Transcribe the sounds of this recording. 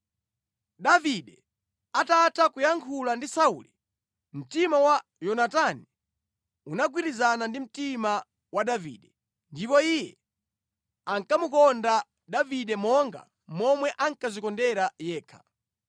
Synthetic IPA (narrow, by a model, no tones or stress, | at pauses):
ɗaviɗɛ | atatʰakujaŋkʰulandisaṵːli | m̩timawajɔnatani | unaɡwiɾizanandim̩tima | waɗavḭːɗɛ | ndipɔijɛ | aŋkamukɔnda | ɗaviɗɛmɔŋɡa̰ | mɔmwɛʔaŋkazikɔndɛɾajɛːkʰḁ